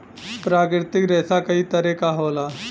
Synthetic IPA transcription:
pɾaːkɾɪt̪ɪkɾɛːsakɐit̪ɐɾekaɦoːlaː

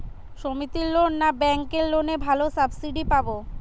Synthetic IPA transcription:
ʃomit̪iɾlonːabɛŋkeɾlonebʱalosabsiɖipabo

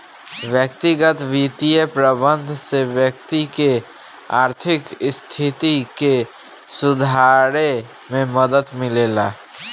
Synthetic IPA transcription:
ʋjəkt̪iɡət̪ʋit̪ijepɾəbə̃nd̪ʱsewjək̚t̪ike | a̰ːɾt̪ʰɪkst̪ʰit̪ike | sʊd̪ʱaɾe | mẽməd̪əd̪mɪlela

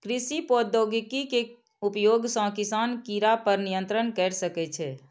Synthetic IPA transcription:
kɾisipod̪oɡikike | upjoɡsɔ̃kisankiɾapəɾnijə̃nt̪ɾənkɛɾsəkɛt͡ʃʰɛ

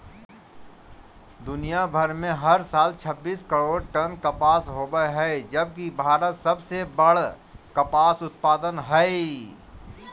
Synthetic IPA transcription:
d̪ʊnijabʱəɾmẽɦɐɾsaːlt͡ʃʰəbːiːskəɾoːɽʈənkəpaːsɦoːbəɦɛd͡ʒɐb̚kibʱaːɾət̪sɐbsebɐɽ | kɐpaːsʊt̪̚paːd̪ənɦɛe

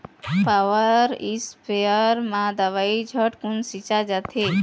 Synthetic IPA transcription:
paʋəɾispeəɾmãd̪əʋaid͡ʒʱəʈkunsit͡ʃad͡ʒat̪ʰe

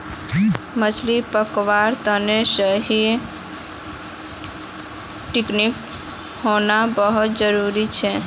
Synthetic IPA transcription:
mət͡ʃlipəkʋaɾt̪ənesəɦi | ʈiknik | honabəɦut̪̚d͡ʒəɾuɾit͡ʃʰɛ

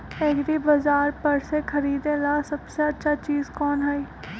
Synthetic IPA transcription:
eɡɾiːbəzaːɾpəɾseːkʰəɾiːd̪eːlaːsəbseətːʃʰaːt͡ʃiːzkɔːnɦəiː

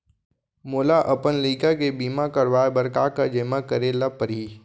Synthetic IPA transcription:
moːlaʔɐpənliːkakebiːmakəɾʋaːebəɾkaːkad͡ʒeːmakəɾelapəɾiː

